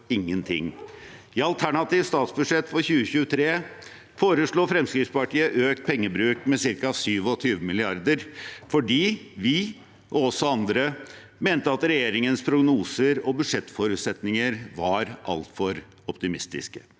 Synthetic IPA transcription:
ɪŋːənt̪ʰɪ̰ŋː | ɪɑlt̪ʰæɳɑt̪iːʋst̪ɑːt̪sbʉʂɛt̪ːfɔɾçʉːəçʉːət̪ʰɾeː | foːɾəʂɭuːfɾɛmskɾɪfspɑʈiːəʔøːk̚t̪̚pʰɛŋːəbɾʉːkmɛsɪɾkɑɑʋsyːʋɔt̪ʰyːʋəmɪlɪɑɾd̪əɾfɔɖiːʋɪ | ʔɔɔsːɔɑnd̪ɾə | meːnt̪əɑt̪ɾɛjeːɾɪŋənspʰɾʊɡnuːsəɾɔbʉʂɛt̪ːfɔɾʉːt̪sɛt̪nɪŋəɾʋɑɾʔɑ̰lt̪fɔɾ | ɔpt̪ɪmɪst̪ɪ̰skə̥

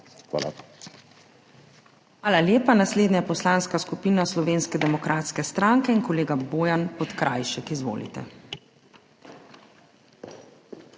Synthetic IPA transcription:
xʋa̰ːla̰ | xʋaːlaljeːpanasleːd̪najpɔslaːnskaskupiːnaslɔʋeːnskɛd̪ɛmɔkɾʔaːt̪skɛst̪ɾaŋkɛinkɔleːɡaboːjanpɔt̪kɾajʃɛkizʋo̰ːlḭt̪ɛ̰

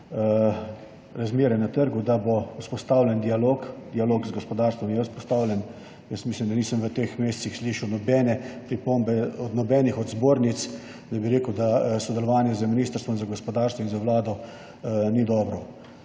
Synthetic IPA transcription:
ɾazmeːɾɛnat̪əɾɡud̪abouspɔst̪awlʲɛnd̪ialoːkd̪ialoːɡzɡɔspɔd̪aːɾst̪ʋɔmnjɛwspɔst̪aːwlʲjɛn | jəsmislimd̪aniːsəmʋət̪eːxmeːst̪sixsliʃɛwnɔbɛːnɛpɾipombɛɔd̪nɔbɛːnixɔd̪zboːɾnit̪s | nɛjbiɾeːkəwd̪asɔd̪ɛlɔʋaːnjɛzəminiːst̪əɾst̪ʋɔinzaɡɔspɔd̪aɾst̪ʋɔinzaʋlaːd̪ɔ | nid̪ɔːbɾɔ

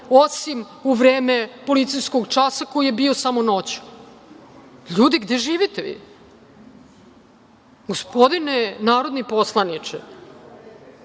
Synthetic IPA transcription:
osim | uʋɾeːmepo̞lit̪sijsko̞ɡt͡ʂasako̞jijebio̞samono̞t͡ɕu̥ | ʎuːd̪iɡd̪eʒiːʋit̪eʋḭ | ɡospod̪inenaːɾo̞d̪niposlˠanit͡ʂɛ̰

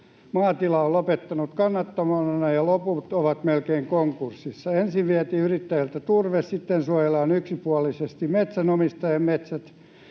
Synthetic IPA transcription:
mɑːt̪ilɑolopet̪ːɑnut̪kɑnːɑt̪ːɑmɑɑnɑjɑloput̪oʋɑt̪melkeiŋkoŋkursːisːɑensiʋʋiɛt̪iːyrit̪ːæjælt̪æt̪urʋessit̪ːensuojelːˑɑːnyksipuɑlisest̪immet̪sænomist̪ɑjɑmmet̪sæt̪

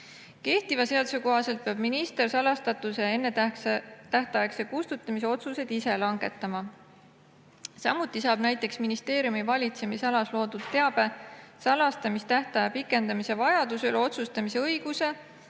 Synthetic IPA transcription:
ke̞ht̪ivɑse̞ɑd̪suko̞ɦɑse̞lt̪̚peɑb̥minist̪e̞rsɑlɑst̪ɑt̪ːˑusee̞nːe | t̪æht̪ɑjekse̞kust̪ut̪ːˑɑmise̞o̞t̪suse̞d̪ise̞lɑŋɡ̥e̞t̪ːˑɑmɑ | sɑmːut̪ˑːisɑːb̥næjt̪ːˑe̞ksminist̪e̞ːɾijumivɑlʲit̪se̞misɑlɑslo̞ːd̪̥ud̪̥t̪ːe̞ɑb̥e̞sɑlɑst̪ɑmist̪æht̪ɑjɑpikːˑe̞nd̪̥ɑmise̞vɑjɑd̪̥uselo̞t̪sust̪ɑmise̞ɤjɡ̥use̞

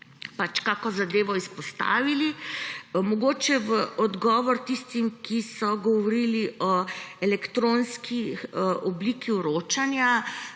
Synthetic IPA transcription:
pat͡ʃkakɔzad̪eːʋɔispɔst̪a̰ːʋili | mɔɡoːt͡ʃɛʋəʔɔd̪ɡɔːʋɔɾt̪ist̪imkisɔɡɔʋoɾiːliʔɔɛlɛkt̪ɾoːnskiʔɔbliːkiuɾoːt͡ʃanja

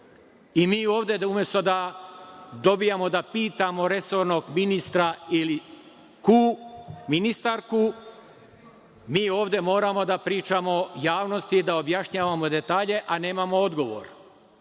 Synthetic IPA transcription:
imiːo̞ːʋd̪e̞umje̞st̪o̞d̪a | d̪o̞bijamo̞d̪apiːt̪amo̞ɾe̞so̞ɾno̞ɡminist̪ɾaili | kuminist̪aɾku | miːo̞ːʋd̪e̞mo̞ːɾamo̞d̪apɾiːt͡ʃamojaːʋno̞st̪id̪aobjaʃɲaːʋamo̞d̪e̞t̪aːʎe̞ʔane̞ːmamood̪ɡo̞ʋo̰ɾ

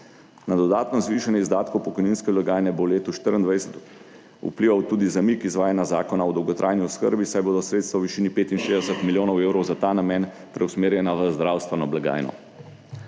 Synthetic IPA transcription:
nad̪ɔd̪aːt̪nɔzʋiːʃanjɛizd̪aːt̪kopɔkɔjninskɛblaɡaːjnɛboleːt̪uʃt̪əɾind̪ʋajsɛt̪ | ṵpliʋawt̪uːd̪izamikizʋaːjanjazaːkɔnaɔd̪ɔwɡɔt̪ɾʔaːjniɔskəɾbisajboːd̪ɔsɾeːt̪st̪ʋawʋiʃiːnipeːt̪inʃeːzd̪ɛsət̪miljoːnɔweːwɾɔwzat̪aːnamjɛːn | pɾʔɛwsmeːɾjɛnaʋəzd̪ɾawst̪ʋɛnɔblaɡa̰ːjnɔ̰

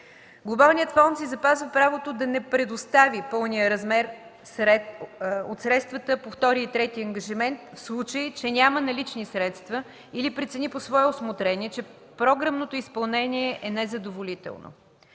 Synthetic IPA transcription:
ɡlˠobalˠnijət̪fɔnsizɐpazvəpɾavot̪od̪ɐnɛpɾɛd̪ost̪avipɤlˠnijəɾɐzmɛɾ | sɾɛtot̪sɾɛt̪st̪vɐt̪əpoft̪ɔɾiːt̪ɾɛt̪iɐŋɡəʒimɛnt̪fslˠut͡ʃəit͡ʃɛnʲamənɐlit͡ʃnisɾɛt̪st̪və | ilipɾɛt̪sɛniposvɔɛosmot̪ɾɛniɛt͡ʃɛ | pɾɔɡɾəmnot̪oispɐlˠnɛniɛʔɛnɛzɐd̪ovolit̪ɛ̰lˠno̰

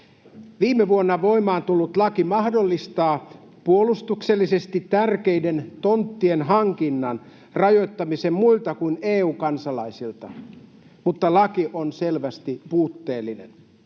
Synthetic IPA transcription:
ʋiːmeʋuonːɑʋo̞imɑːnt̪ulːut̪lɑkimɑhdolːist̪ɑː | puolust̪ukselːisest̪it̪ːærkeident̪ont̪ːienɦɑŋkinːɑn | rɑjo̞jt̪ːɑmisemmuilt̪ɑkuineːuːkɑnsɑlɑisilt̪ɑ | mut̪ːɑlɑkiʔonselʋæst̪ipuːt̪ːeːlːinen

